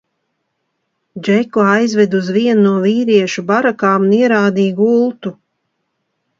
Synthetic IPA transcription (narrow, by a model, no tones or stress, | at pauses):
d͡ʒɛkɔajzvɛd̪uzviɛnːnuɔviːɾiɛʃubaɾakaːmuniɛɾaːd̪iːɡulˠt̪u